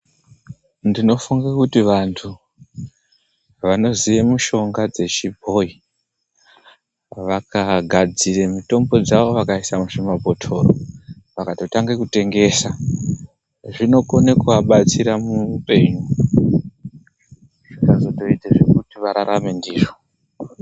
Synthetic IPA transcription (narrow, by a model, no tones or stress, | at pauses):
ndino̞fuŋɡakutiʋantʰu | ʋano̞ziʋemuʃo̞ŋɡad͡ze̞t͡ʃibʱo̞i | ʋakaɡʱad͡ziremuto̞mbo̞d͡zaʋo̞ʋakaisamuʂimabʱo̞tʰo̞ːro | ʋakato̞taŋɡekute̞ŋɡe̞sa | ʐino̞konekuʋaɓat͡siɾamupe̞ɲu | ʐikazo̞to̞iteʐekutiʋaɾaɾame̞ndiːʐo